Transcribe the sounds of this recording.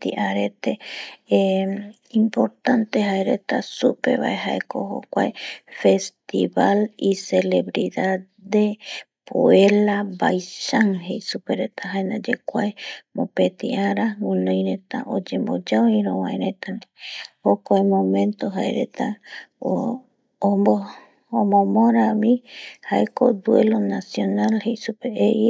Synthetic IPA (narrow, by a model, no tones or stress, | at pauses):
t̪iʔaɾet̪e | impoɾt̪ant̪eɦaeɾet̪asupe̞̰βa̰eɦaekoho̰kʷaefe̞st̪iβalisele̞βɾiða | depoelabajʃaŋɦejsupeɾet̪aɦaenad͡ʒekʷaemõpet̪iaɾaŋũnõjɾet̪a̰ʔod͡ʒembod͡ʒaoĩɾõwãẽɾet̪anehokoemõmẽnt̪oɦaḛɾet̪ao | moː | mõmoɾamĩhaeko̰d̪uelonasjonalhejsupeeʔi